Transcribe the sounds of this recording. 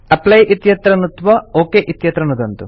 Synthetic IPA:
ɐplɐjʔit̪jɐt̪ɾɐnut̪ʋɐoːkeːʔit̪jɐt̪ɾɐnud̪ɐnt̪u

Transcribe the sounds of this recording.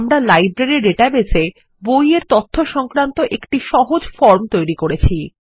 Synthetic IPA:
mɾalajbɾeɾiɾeʈabese | bojeɾt̪ot̪ʰːoʃɔŋkɾant̪oʔekʈiʃɔɦod͡ʑfɔɾmt̪ojɾikoɾet͡ɕʰi

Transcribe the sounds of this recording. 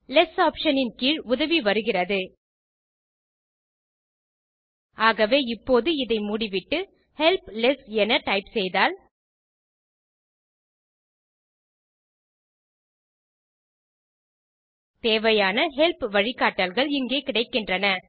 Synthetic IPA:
lɛsaːpʂɐnɪnkiːɻʊðɐʋiʋɐɾɯɣɪrɐðɯ | aːɣɐʋeːɪpːoːðɯɪðɐɪmuːɽɪʋɪʈːɯ | hɛlplɛsɛnɐʈɐɪpsɛjðaːl | t̪eːʋɐjaːnɐɦɛlpʋɐɻɪkːaːʈːɐlɣɐɭɪŋɡeːkɪɽɐɪkːɪndrɐnɐ

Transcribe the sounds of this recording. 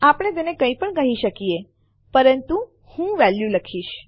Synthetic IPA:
apəɳ̃et̪̬enekə̃ĩpəɳkəɦiʃəkije | pəɾənt̪u | hũʋɛljuləkʰiʃ

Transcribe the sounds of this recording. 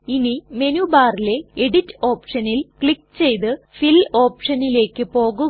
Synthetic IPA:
inime̞nubaːrile̞eɽitːɨo̞ːpʂɐnilkɭikːt͡ɕe̞jt̪ɨ | filo̞ːpʂɐnile̞ːkːɨpo̞ːɣu

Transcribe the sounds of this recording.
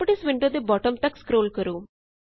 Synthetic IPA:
pəʈɪsʋɪɳʈəd̪ebɔːʈəmt̪ɐkskɾoːlkəɾoː

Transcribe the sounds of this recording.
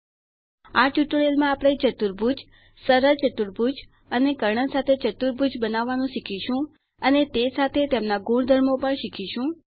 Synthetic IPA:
aʈuʈuɽelmãːpɽ̃et͡ʃət̪uɾbʱud͡ʒ | səɾəɾt͡ʃət̪uɾbʱud͡ʒ | ənekəɾɳəsat̪ʰet͡ʃət̪uɾbʱud͡ʒbənaʋːanũʃikʰiʃũ | ənet̪esat̪ʰet̪emnaɡũɳd̪ʱəɾmopəɳʃikʰiʃũ

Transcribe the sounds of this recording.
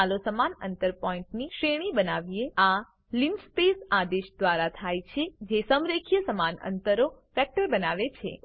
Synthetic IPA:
alosəmanə̰nt̪əɾpɔĩɳʈniʃɾeɽ̃ibənaʋiea | linspesad̪eʃd̪ʋaɾat̪ʰajt͡ʃʰed͡ʒesəmɾekʰjəsəmanə̰nt̪əɾofɛk̚ʈəɾbənaʋet͡ʃʰḛ

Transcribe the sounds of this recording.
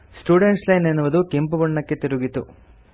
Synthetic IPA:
sʈuːɖeɳʈslɐjnenːuʋɐd̪ukempubuɳːɐkːet̪iɾuɡit̪ṵ

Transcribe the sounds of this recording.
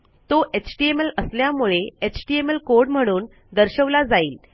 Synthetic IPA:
t̪oʔet͡ɕʈiemeləsljamuɭeet͡ɕʈiemelkoɾɖm̤əɽ̃uːn | d̪əɾɕəʋlad͡zaiːl

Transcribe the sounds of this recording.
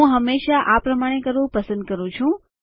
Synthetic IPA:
ũɦəmːeʃaʔapɾəmaɽ̃ekəɾʋũpəsə̃nd̪̚kəɾũt͡ʃʰũ

